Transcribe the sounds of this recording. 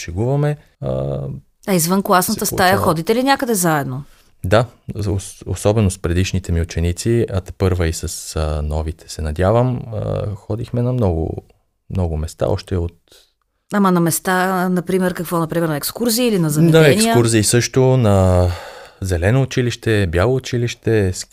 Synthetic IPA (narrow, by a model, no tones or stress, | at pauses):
ʃɛɡuvɐmɛ | ə̰ | ɐizvənklˠasnətt̪əst̪ajəxɔd̪it̪ɛlinʲakəd̪ɛzaɛd̪no | d̪aoo̰sɔbɛnospɾɛd̪iʃnit̪ɛmiʊt͡ʃɛnit̪siɐt̪pɤɾvəisɐsənɔvit̪ʰɛ̥sɛnɐd̪javəmə̰xɔd̪ixmɛnɐmnɔɡʊ̰ | mnɔɡʊmɛst̪a̰ɔ̰ʃt̪ɛot̪̚ | amɐnɐmɛst̪anɐpɾimɛɾkɐkvɔnɐpɾimɛɾnɛkskuɾziːlinɐzɐɛd̪aɛnsikəuɾziːsɤʃt̪onɐ | zɛlɛnoːt͡ʃiliʃt̪ɛbjalˠoːt͡ʃiliʃt̪ɛs